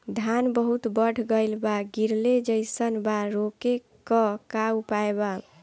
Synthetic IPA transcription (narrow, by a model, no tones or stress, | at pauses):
d̪ʱanbəɦut̪bəɽ̤ʱɡəɪlbaɡiɾled͡ʒəɪsənbaɾoke | kəkawpaeba